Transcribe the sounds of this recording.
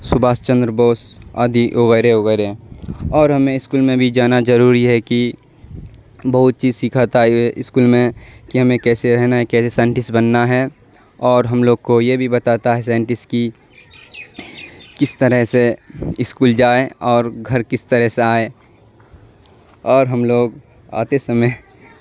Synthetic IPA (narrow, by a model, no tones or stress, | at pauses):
sʊbaːst͡ʃə̃nd̪ɾəboːsa̰ːd̪ʱiʔʊɣəɾeʊɣəɾeɔːɾɦɐmẽɪskuːlmẽbʱid͡ʒaːnad͡ʒɐɾuːɾiɦɛki | bɐɦʊt̪̚t͡ʃiːzsikʰat̪aɛʔɪskuːlmẽkiɦɐmẽkɛːseɾɛɦnaɦɛkɛːsesãːɪɳʈɪsbənːaɦɛ | ɔːɾɦɐmloːɡ̚kojebʱibɐt̪aːt̪aɦɛsãːɪɳʈɪski | kɪst̪əɾəɦseɪskuːld͡ʒaːeɔːɾɡʱɐɾkɪst̪əɾəɦseaːe | ɔːɾɦɐmloːɡ | a̰ːt̪esəme